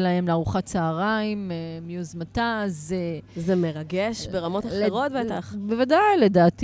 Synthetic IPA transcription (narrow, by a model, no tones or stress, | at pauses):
laemleaʁuχatt͡saːʁaimemjuzmatazzemeʁaɡeʃbeʁamo̞talχeʁo̞tveetaχbevadajle̞daːt